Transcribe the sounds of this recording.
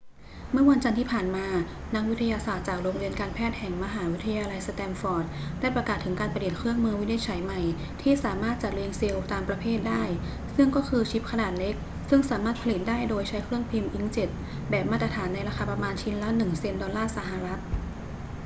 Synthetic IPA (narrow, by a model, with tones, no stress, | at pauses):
mɯ˥˩wa˧nt͡ɕa˧nt̪ʰiː˥˩pʰaː˨˩nmaː˧ | na˦˥k̚wi˦˥t̪ʰa˧jaː˧saː˨˩t̪̚t͡ɕaː˨˩k̚ɾoː˧ŋwi˧ənkaː˧npʰɛː˥˩t̪̚hɛ˨˩ŋma˧ɦaː˩˦wi˦˥t̪ʰa˧jaː˧la˧jsa˧t̪ɛː˧mfɔː˧˥t̪̚daː˥˩jpɾa˧kaː˨˩t̪ʰːɯ˩˦ŋkaː˧npʰa˧ɾi˨˩ət̪̚kʰɾɯ˥˩əŋmɯː˧wi˦˥ni˧˥t͡ɕʰa˨˩˦jma˨˩j | t̪ʰiː˥˩saː˩˦maː˥˩t̪̚t͡ɕa˨˩t̪̚ɾeː˧ŋse˧wt̪aː˧mpɾa˧pʰeː˥˩t̪̚daː˥˩j | sɯ˥˩ŋkɔː˥˩kʰɯː˧t͡ɕʰi˦˥p̚kʰa˧naː˨˩t̪̚le˦˥k̚ | sɯ˥˩ŋsaː˩˦maː˥˩t̪̚pʰa˧li˨˩t̪̚daː˥˩jdoː˧jt͡ɕʰa˦˥jkʰɾɯ˥˩əŋpʰi˧mʔi˦˥ŋt͡ɕe˨˩t̪̚ | bɛː˨˩p̚maː˥˩t̪ɾa˧t̪ʰaː˩˦nːa˧jɾa˧xʰa˧pɾa˧maː˧nt͡ɕʰi˦˥nla˦˥nɯ˨˩ŋse˧mdɔ˧nlaː˥˩sa˧ɦa˨ɾa˦˥t̪̚